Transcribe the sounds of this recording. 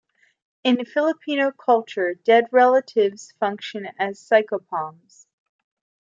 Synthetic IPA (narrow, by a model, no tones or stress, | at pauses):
ɨ̃nfɪlˠəpʰĩñoʊkʰʌlˠt͡ʃə˞dɛd̚ɹɛlˠəɾɪvz̥fʌ̃ŋkʃɨ̃nɨz̥saɪkoʊpʰɑ̃mz̥